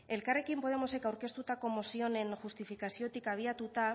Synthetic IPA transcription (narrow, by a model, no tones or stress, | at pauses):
e̞lkare̞kimpo̞ð̞e̞mo̞se̞kawɾke̞st̪ut̪ako̞mo̞sio̞ne̞nʝust̪ifikasio̞t̪ikaβ̞iat̪ut̪a